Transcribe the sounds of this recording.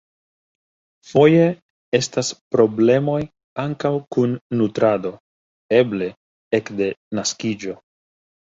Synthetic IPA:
fo̞je̞ | e̞staspɾo̞ble̞mo̞j | aŋkawkunːutɾado̞ | e̞ble̞ | ekde̞naskid͡ʒo̞

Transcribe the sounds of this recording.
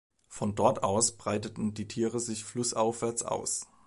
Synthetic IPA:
fɔndɔɐtaʊsb̥ʁaɪtətn̩diːtʰiːʁəzɪçflʊsʔaʊfv̥ɛɐt͡sʔa̰ʊs

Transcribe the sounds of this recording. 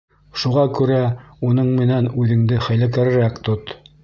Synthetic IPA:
ʃuʁɑkʉɾæunɤɴmɘ̆nænʉðɘ̆ŋd̪ɘχæjlæk̬æɾɘ̆ɾækt̪ot̪

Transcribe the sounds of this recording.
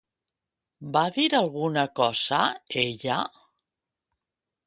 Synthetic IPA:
baðiɾalˠɣunakɔzaeʎa

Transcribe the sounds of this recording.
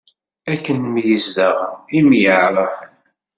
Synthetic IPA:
ækːənmijəzd̪əʁəimjəʕɾˤəfən

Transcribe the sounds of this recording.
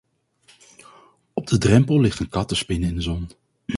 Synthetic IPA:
ɔb̚dədrɛmpəlˠlɪχtənkɑtəspɪnɪndəzɔn

